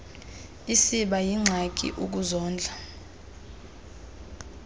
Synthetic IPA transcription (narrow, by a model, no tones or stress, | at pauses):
isiɓajiŋ͡ǁʱak̬ʼḭʔuk̬uzɔːnd͡ɮʱa